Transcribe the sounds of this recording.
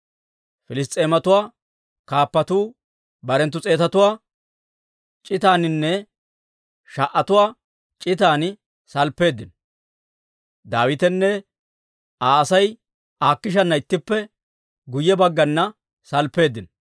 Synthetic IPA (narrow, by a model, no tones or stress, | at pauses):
fɪlɪs̬t̪ʼe̞ːmɐt̪ʊwaː | kaːpːɐt̪uː | bɐɾɛnt̪ːʊt͡sʼe̞ːt̪ɐt̪ʊwaː | t͡ʃʼɪt̪aːnɪnːɛ | ʃɐʔːɐt̪ʊwaː | t͡ʃʼɪt̪aːn | sɐlpːe̞ːd̪ːɪn | d̪aːwɪt̪ɛnːɛ | aːɐsɐj | aːkːɪʃ̬ɐnːɐɪt̪ːɪpːɛ | ɡʊjːɛbɐɡːɐnːɐ | sɐlpːe̞ːd̪ːɪn